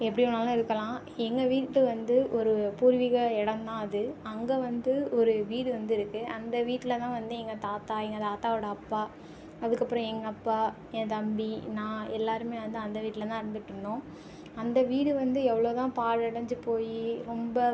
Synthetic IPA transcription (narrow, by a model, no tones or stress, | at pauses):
ɛpːɐɽɪɔnaːlãɪɾɯkːɐlãː | ɛŋɡɐʋiːʈːlɯʋɐnd̪ɯʔɔɾɯpuːɾʋɪɣɐɛɽɐnt̪ãːɐðɯɐŋɡɐʋɐnd̪ɯɔɾɯʋiːɽɯʋɐnd̪ɯɪɾɯkːɯʔɐnd̪ɐʋiːʈːɪlɐt̪ãːʋɐnd̪ɯɛŋɡɐt̪aːt̪aːɛŋɡɐt̪aːt̪aːʋɔɽɐɐpːaː | ɐðɯkːɐpːɯɾɔ̃ɛŋɡɐːpːaː | ɛ̃t̪ɐmbinãːɛlːaːɾɯmeːʋɐnd̪ɯɐnd̪ɐʋiːʈːɪlɐt̪ãːɪɾɯnd̪ɯʈːɯɳːõː | ɐnd̪ɐʋiːɽɯʋɐnd̪ɯɛʋːɐɭoːt̪ãːpaːɽɪɽɐɲd͡ʒɯpoːjiɾɔmbɐ